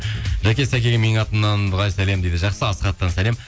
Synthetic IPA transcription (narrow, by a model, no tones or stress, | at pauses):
ʒækʲe̞sækʲe̞ɡʲɪmenɪŋɑt̪ənːɑnbəʁɑjsæle̞md̪ejd̪ɪʒɑqsəɑsəqɑt̪ːənsæle̞m